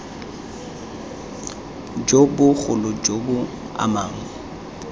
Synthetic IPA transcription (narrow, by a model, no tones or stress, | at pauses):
d͡ʒobʊɣʊlʊd͡ʒobʊ | a̰maːŋ̩